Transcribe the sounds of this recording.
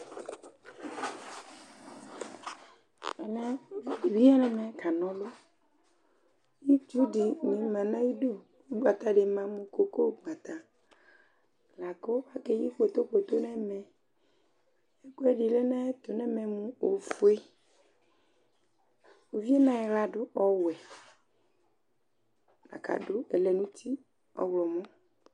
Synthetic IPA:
ɛ˨nɛ̃˦˨i˨wi˦a˦nɛ̃˨mɛ̃˨ka˨nɔ̃˦lo˦ | ji˦tu˦ɖi˨ɲĩ˨mã˨nã˦ji˦ɖo˦ | wo˦ɡ͡ba˨t̪a˦ɖe˨mã˨mũ˨ko˨ko˦ɡ͡ba˨t̪a˨ | la˨ko˦a˦ke˦ji˦k͡po˨t̪o˦k͡po˨t̪o˦nɛ̃˦mɛ̃˨ | e˦ko˦ɛ˦ɖi˨lɛ˦nã˦e˦t̪o˨nɛ̃˦mɛ˨mũ˦o˨fo˨˦e˦ | o˨vi˦ɛ˦nã˦ɛ˨la˨ɖʊ˦ʔɔ˨wɛ˨ | la̰˨ka̰˨ɖʊ˦ɛ˨lɛ˨nũ˦t̪i˦ | ɔ̰˨wlɔ˨mɔ̃˦

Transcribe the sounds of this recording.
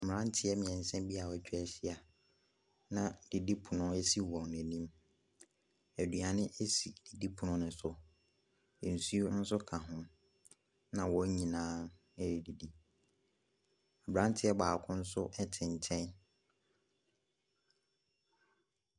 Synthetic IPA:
m̩˨m˨ɾã˦n˦tʰɪ˦ɛ˦mɪ̃˨ɛ̃˨n̩˨sɛ̃˦m˦bi˦a˨wɔ˨t͡ɕᶣɛ˨ɕi˦a˨ | nã˨d̥i˨di˦pʰʊ˨nʊ̃˦e˦si˦wɔ̃˨nɛ̃˨nĩ˦m | æ˨dɥa˨nɪ̃˦ʔe˦si˨d̥i˨di˦pʰʊ˨nʊ̃˦nɪ̃˨sʊ˨ | e˨n̩˨su˦o˦n̩˦sʊ˦kʰã˨ɦʊ̃˦ | nã˨wɔ˨˦ɲĩ˨nãː˦ | e˦ɾi˨di˨di˦ | a˨bɾã˦n˦tʰɪ˦ɛ˦baː˨kʰʊ̃˦n̩˦sʊ˦ʔɛ˦tʰɪ̃˨n˨tʰɛ̃˦n

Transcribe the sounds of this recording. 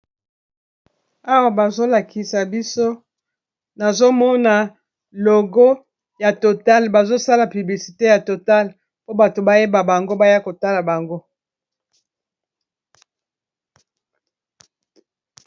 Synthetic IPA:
a˦wa˨ba˨zo˦la˨ki˨sa˨bi˦so˦ | na˨zo˦mɔ˦na˨ | lo˨ɡo˦ | ja˨to˨ta˦lba˨zo˦sa˦la˨py˨bli˨si˨te˦ja˨to˨ta˦l | po˦ba˨to˨ba˦je˦ba˨ba˨ŋɡo˦ba˦ja˦ko˨ta˦la˨ba˨ŋɡo˦

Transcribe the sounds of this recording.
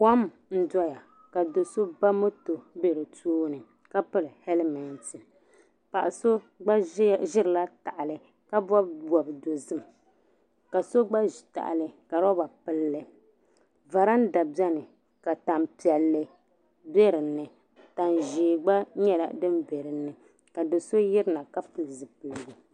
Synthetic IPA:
ka˦m | n̩˦dɔ˦ja˨ | ka˨do˨so˦ba˦mo˦to˨be˦ɾɨ˨toː˦nɨ˨ | ka˦pɨ˦lɨ˨hɛ˦lmɛ˨ntɨ˨ | pa̰˨ʔa˨so˦ | ɡ͡bʒɪ˦ɾɨ˨la˦ta˨ʔa˨lɨ˦ | ka˦bɔ˦bbɔ˨bdo˨zɨ˦m˨ | ka˨so˦ɡ͡ba˦ʒta̰˨ʔa̰˨lɨ˨ka˨ɾɔ˦ba˨pɨ˦lːɨ˦ | va˨ɾa˦n˦da˨bɛ˦nɨ˨ | ka˨ta˨mpi˨ɛ˨lːɨ˦ | bɛ˦ɾɨ˨nːɨ˨ | ta˨nʒiː˨ɡ͡ba˦ɲɛ˦la̰˨dɨ˦mbe˨ɾɨ˨nɨ˨ | ka˨dɨ˨so˦jɪ˦ɾɨ˦na˨ka˦fɨ˨lzɨ˨pɨ˨lɡo˨

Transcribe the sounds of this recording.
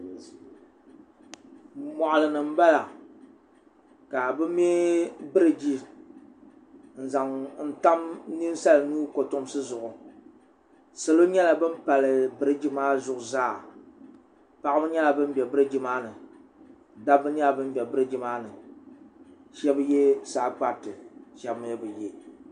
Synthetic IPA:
mɔ˨ʔʊ˨lɨ˨nɨ˨m̩˦ba˦la˨ | ka˨bɨ˦mːɛ˦bɨ˦ɾɨ˨d͡ʒi˦ | n̩˨za˨ŋn̩˨ta˦mni˦n˦sa˦lɨ˨nuː˦ko˨tʊ˦m˦sɨ˦zʊ˨ʔʊ˨ | sa˨lo˦ɲɛ˦la˨bɨ˦m̩˦pa˨lɨ˨bɨ˨ɾɨ˦d͡ʒi˦maː˦zʊ˨ʔʊ˨zaː˦˨ | pa˨ʔɨ˦bɨ˦ɲɛ˦la˨bɨ˦m˦bɛ˨bɨ˦ɾɨ˦d͡ʒi˦maː˦nɨ˨ | da˦bɨ˦ni˦a˨bɨ˦m˦bʲɛ˨bɨ˦ɾɨ˦d͡ʒi˦maː˦nɨ˨ | ʃɛ˦bɨ˦je˦saː˨˦k͡pa˦ɾtɨ˨ʃɛ˦bm˦bɨ˨je˦

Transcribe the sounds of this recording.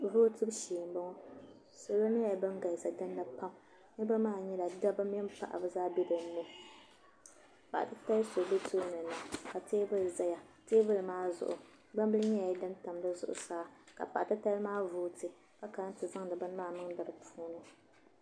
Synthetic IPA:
vʊː˦tɨ˦bʃiː˨m˦bɔ˦ŋɔ˦ | so˨lo˦nɨ˦ja˨bɨ˦ŋ˦ɡa˨sa˨dɨ˦nːa˦pa˦m | nɨ˦bɨ˦maː˦˨ɲɛ˦la˨da˦bɨ˦m˦jɛ˦m˦pa̰˨ʔa̰˨bɨ˦zaː˦bɛ˦dɨ˨˦nɛ˦ | pa˨ʔtɨ˦ta˦lso˨dɨ˦tʰoː˦nɨ˨na˨ka˨teː˦bɨ˦lza˦ja˨teː˦bɨ˦lɨ˨maː˦zʊ̰˨ʔʊ̰˨ | ɡ͡ba˦mbɨ˦lɨ˦ɲɛ˦ja˨˦dɨ˦nta˨mdɨ˦zʊ̰˦˨ʔʊ̰˨saː˦ka̰˨pa̰˨ʔa˨tɨ˦ta˦li˦maː˦vuː˦˨tɨ˦b | ka˦ka˨˦n˦tɨ˨za˦ŋnɨ˨bɨ˦n˦maː˦˨mɨ˦ŋda˨bɨ˨pʰuː˦nɨ˦

